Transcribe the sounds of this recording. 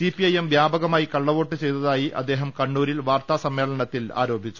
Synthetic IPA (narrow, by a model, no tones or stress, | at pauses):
sipiɐjemʋjaːbɐɣɐmaːjikɐɭːɐʋo̞ːʈːɨt͡ɕejt̪ɐðaːjiʔɐ̰d̪ːe̞ːɦɐmkɐɳːuːɾilʋaːrt̪aːsɐmːe̞ːɭɐɳɐt̪ːila̰ːɾo̞ːbʱit͡ɕːu̥